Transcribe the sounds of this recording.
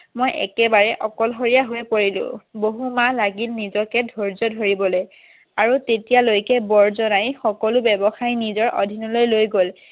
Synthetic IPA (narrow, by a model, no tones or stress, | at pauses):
mojʔɛ̰kɛbaɹɛʔɔkɔlɦoɹijaɦojpoɹilʊ̰̃boɦumalaɡilnizɔkɛdʱoɹzɔdʱoɹibɔloj | aɹutetijalojkɛbɔɹzɔnajxɔkɔlʊbɛbɔxajnizɔɹʔɔ̰dʱinɔlojlojɡol